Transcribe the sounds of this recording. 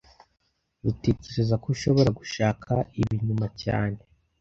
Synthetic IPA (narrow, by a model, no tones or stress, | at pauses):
ɾuteceɾezakouʃo̞βo̞ɾaɡuʃaːkʰaiβiɲumaca̰ːne̞